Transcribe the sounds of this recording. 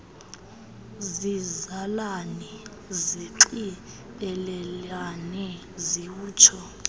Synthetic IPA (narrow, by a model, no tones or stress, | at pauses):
zizalanɛ | ziǀi | ɓɛlɛlanɛ | ziwuːt͡ʃʰɔ